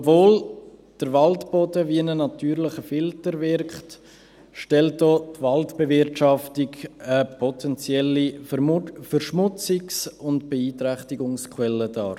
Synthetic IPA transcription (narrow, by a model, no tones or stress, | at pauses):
obvoːld̥əɾvɑltb̥ɔdəviənənɑtʰyːɾlɪχəfɪltəɾvɪɾkχt | ʃtɛlt̚dɔːtvɑltb̥evɪɾtʃɑftikəpʰɔtʰɛnt͡sjɛlːi | fəɾʃmʊt͡sɪksʊntb̥eiːtɾɛχtiɡʊŋskʰwɛlədɑ̰ː